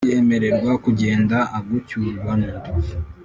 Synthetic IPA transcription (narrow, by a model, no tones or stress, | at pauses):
eme̞ɾe̞ɾɡwakuɟe̞ːndaʔaɡucuβanuɾ